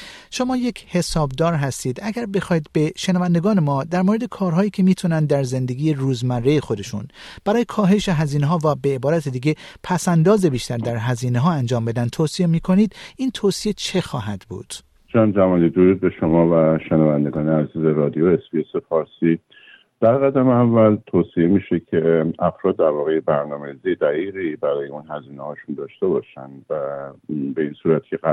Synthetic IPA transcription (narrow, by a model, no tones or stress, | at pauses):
ʃo̞mɒːje̞cʰhe̞sɒːbd̪ɒːɾɦæst̪iːd̪ʔæɡæɾbe̞xɒːiːd̪̚be̞ʃenævænd̪e̞ɡɒːne̞mɒːd̪æɾmoɾe̞d̪e̞kʰɒːɾɦɒːiːcʲʰe̞miːt̪ʰunænd̪dːæɾze̞nd̪e̞ɡʲiːjeruːzmærːejexo̞d̪e̞ʃṵn | b̥æɾɒːje̞kʰɒːɦe̞ʃeɦæziːneɦɒːvæbe̞ebɒːɾæt̪ʰed̪iːɡe̞pʰæsænd̪ɒːzebiːʃt̪æɾd̪æɾɦæziːneɦɒːænd͡ʒɒːmbe̞d̪æn̚t̪ʰoːsie̞miːkʰo̞niːd̪̥iːnt̪ʰoːsie̞t͡ʃʰe̞xɒːɦæd̪bṵːd̪̥ | d͡ʒæmd͡ʒæmɒːliːd̪oɾuːd̪̚beʃomɒːvæʃenævænd̪eɡɒːneæziːzeɾɒːd̪ijoesbiesefɒːɾsiː | d̪̥æɾɣæd̪æmeævːælt̪ʰoːsiemiːʃecʰeæfɾɒːd̪̚ːæɾvɒːɣejebæɾnɒːmeɾizied̪æɣiːɣibæɾɒːjeuːnhæziːnehɒːʃund̪ɒːʃt̪e̞bɒʃænvæbe̞iːnsuːɾæt̪cʰeæ